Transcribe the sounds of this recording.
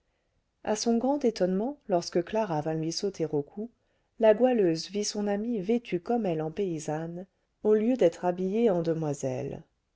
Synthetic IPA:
a̰sɔ̃ɡʁɑ̃t̪et̪ɔnmɑ̃lɔʁskəklaʁavɛ̃lɥisot̪ʰeʁokʰu | laɡwaløzvisɔ̃namivet̪ʰykɔmɛlɑ̃peizan | oljød̪ɛt̪χabijeɑ̃d̪əmwazɛ̰l

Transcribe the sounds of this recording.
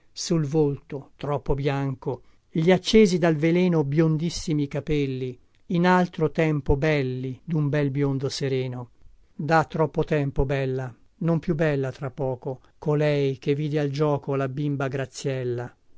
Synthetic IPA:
sulvolt̪ot̪ɾɔpːobjaŋko | ʎiat͡ʃːeːzid̪alvelɛːnobjond̪isːimikapɛlːi | inalt̪ɾot̪ɛmpobɛlːid̪umbɛlbjond̪oseɾɛːno | d̪at̪ːɾɔpːot̪ɛmpobɛlːa | nompjubːɛlːat̪ɾapːɔːko | kolɛjk̟evːiːd̪eald͡ʒɔːkolabimbaɡɾat̪sːjɛlːa

